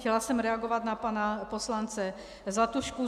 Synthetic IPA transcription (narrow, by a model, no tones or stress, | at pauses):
cɛlasɛmɾɛaɡo̞vat̪napanapo̞slant͡sɛ | zat̪uʃku